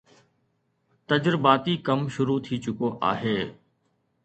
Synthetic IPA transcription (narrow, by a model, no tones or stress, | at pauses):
t̪əd͡ʒɾbaːt̪iːkəmʃʊɾuːt̪ʰiːt͡ʃʊkoːʔa̰ːɦeː